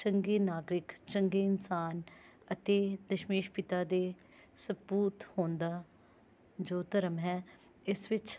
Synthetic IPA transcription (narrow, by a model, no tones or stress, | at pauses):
t͡ʃəŋɡeːnaːɡɾɪkt͡ʃəŋɡeːɪnsaːnət̪eːd̪əʃmeːʃpɪt̪aːd̪eː | səpuːt̪hõːnd̪aː | d͡ʒoːt̪əɾəmɦɛː | ɪsʋɪt͡ʃ